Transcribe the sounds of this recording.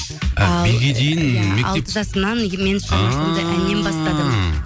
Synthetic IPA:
æbejɡʲed̪ejɪnmekɑleəʒɑsənɑnme̞nʃɑmɑsɑnd̪əʔænembɑst̪ɑd̪əm

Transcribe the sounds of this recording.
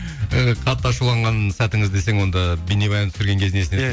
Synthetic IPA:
qʰɑt̪ːɑʃulˠɑɴʁɑnsæt̪ɪŋɪzd̪e̞seŋwo̞nd̪ɑbinebɑjɑnt̪ʰʏ̥sɪɾɡʲe̞ŋkʲʰe̞znesɪne

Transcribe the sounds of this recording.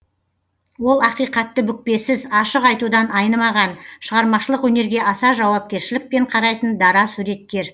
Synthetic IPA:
wo̞lˠɑqijqɑt̪ːəbʏk̚pe̞sɪzɑʃəqɑjt̪ud̪ɑnɑjnəmɑʁɑnʃəʁɑɾmɑʃəlˠəqwɵne̞ɾɡʲe̞ʔɑsɑʒɑwɑp̚kʲe̞ɾʃɪlɪk̚pe̞ɴqʰɑɾɑjt̪ənd̪ɑɾɑsuɾe̞t̪̚kʲe̞ɾ

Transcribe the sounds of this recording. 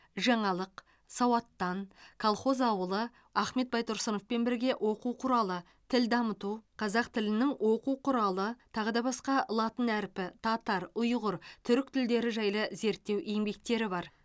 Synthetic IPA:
ʒɑɴɑlˠəq | sɑwɑt̪ːɑnkʰolˠχo̞zɑwəlˠə | ɑχme̞t̪̚bɑjt̪ʰʊɾsəno̞fpe̞nbɪɾɡʲe̞ʔwʔo̞quwqʰʊɾɑlˠə | t̪ʰɪld̪ɑmət̪uqʰɑzɑqt̪ʰɪlɪnɪŋwʔo̞quwqʰʊɾɑlˠət̪ʰɑʁəd̪ɑbɑsqɑʔəlˠɑt̪ənæɾpɪt̪ʰɑt̪ɑɾʊjʁəɾt̪ʰʏɾɪk̚t̪ʰɪld̪e̞ɾɪʒɑjlˠəze̞ɾt̪ːe̞wʔeŋbe̞k̚t̪e̞ɾɪbɑɾ

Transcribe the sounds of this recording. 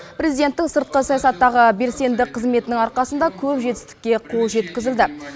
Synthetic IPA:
pɾe̞zijd̪e̞nt̪ːɪŋsəɾt̪̚qəsɑjɑsɑt̪ːɑʁəbe̞ɾse̞nd̪ɪkqʰːəzme̞t̪ɪnɪŋɑɾqɑsənd̪ɑkʲʰɵpʒe̞t̪ɪ̥st̪ɪ̥k̚ʲːe̞qʰo̞lˠʒe̞t̪kʲɪzɪld̪ɪ

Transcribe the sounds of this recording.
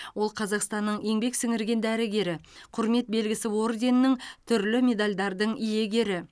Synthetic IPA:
wo̞lˠqʰɑzɑqst̪ɑnːəɴje̞ŋbe̞ksɪŋɪɾɡʲe̞nd̪æɾɪɡʲe̞ɾɪqʰʊɾme̞t̪̚be̞lɡʲɪsɪwo̞ɾd̪ʲe̞nɪnɪŋt̪ʰʏɾlɪmʲe̞d̪alʲd̪ɑɾd̪əɴije̞ɡʲe̞ɾɪ

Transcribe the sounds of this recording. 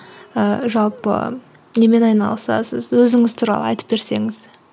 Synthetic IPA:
əʒɑlˠpə̰ | ne̞me̞nɑjnɑ̰lˠəsɑ̰səzwɵzɪŋɪzt̪ʰuːɾɑ̰lˠə̰ɑ̰jt̪ə̥p̚be̞ɾse̞ŋɪz̥

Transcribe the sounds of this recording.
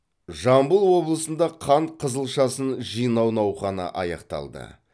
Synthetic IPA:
ʒɑmbəlˠwo̞blˠəsənd̪ɑqʰɑɴqʰəzəlˠʃɑsənʒijnɑwnɑwχɑnɑ̰ʔɑjɑ̰qt̪ɑ̰lˠd̪ə̰

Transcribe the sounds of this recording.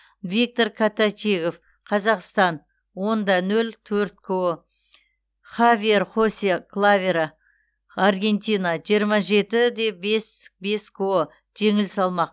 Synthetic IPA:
vʲik̚t̪o̞rkʰat̪at͡ʃiɡo̞f | qʰɑzɑqst̪ɑn | wo̞nd̪ɑnɵlt̪ʰɵɾt̪̚kʰo | χavʲierχo̞seklˠavʲeɾa | arɡʲe̞nt̪ijnɑʒijəɾmɑʒe̞t̪ɪd̪e̞be̞sbe̞skʰo | ʒ̥e̞ŋɪlsɑlˠmɑq̚

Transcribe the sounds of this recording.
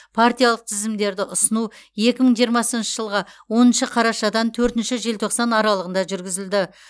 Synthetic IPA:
pʰart̪ijalˠəq̚t̪ʰɪzɪmd̪e̞ɾd̪ɪʔʊsənuje̞kʲɪməɴʒijəɾmɑsənʃəʒəlˠʁɑwo̞nənʃəqʰɑɾɑʃɑd̪ɑnt̪ʰɵɾt̪ɪnʃɪʒelt̪ʰo̞qsɑnɑɾɑlˠəʁənd̪ɑʒʏɾɡʲɪzɪld̪ɪ

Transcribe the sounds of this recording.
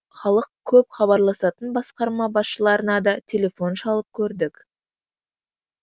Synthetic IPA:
χɑlˠəq̚kʲʰɵpχɑβɑɾlˠɑsɑt̪ənbɑsqɑɾmɑbɑsʃəlˠɑɾənɑd̪ɑt̪ʲʰe̞lʲe̞fo̞nʃɑlˠəp̚kʲʰɵɾd̪ɪk

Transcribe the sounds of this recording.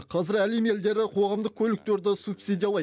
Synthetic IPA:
qʰɑzɪɾæleme̞ld̪e̞ɾɪqʰo̞ʁɑmd̪əq̚kʲʰɵlɪk̚t̪e̞ɾd̪ɪsupsijd̪ʲijɑlˠɑj

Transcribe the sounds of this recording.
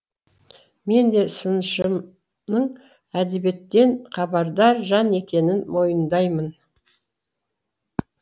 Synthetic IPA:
me̞nd̪e̞sənʃə | nəɴ | æd̪e̞be̞t̪ːe̞nqʰɑbɑɾd̪ɑɾʒɑne̞kʲe̞nɪnmo̞jənd̪ɑjmən

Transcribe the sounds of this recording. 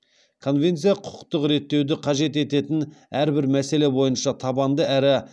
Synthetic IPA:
kʰo̞nve̞nt̪sijɑqʰʊ̥q̚t̪əqɾe̞t̪ːe̞wd̪ɪqʰɑʒe̞t̪̬e̞t̪e̞t̪ɪnæɾbɪɾmæse̞le̞bo̞jənʃɑt̪ʰɑbɑnd̪əæɾɪ

